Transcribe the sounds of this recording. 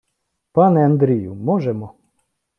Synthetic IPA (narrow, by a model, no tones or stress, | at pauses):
pɑnɛɐnd̪ɾʲijʊmɔʒɛmɔ